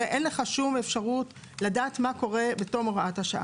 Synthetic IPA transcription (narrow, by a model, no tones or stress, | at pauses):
eʔenleχaʃumefʃaʁut | ladaːt̪mako̞ʁe̞beto̞moʁaathaʃaʔa̰